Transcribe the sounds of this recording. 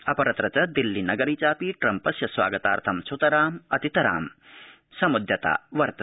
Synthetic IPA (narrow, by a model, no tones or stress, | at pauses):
ɐpɐɾɐt̪ɾɐt͡ʃɐd̪ilːinɐɡɐɾiːt͡ʃaːpiʈɾɐmpɐsjɐsʋa̰ːɡɐt̪a̰ːɾt̪ʰɐmsut̪ɐɾaːmɐt̪it̪ɐɾa̰ːm | sɐmud̪ʱjɐt̪a̰ːʋɐɾt̪ɐ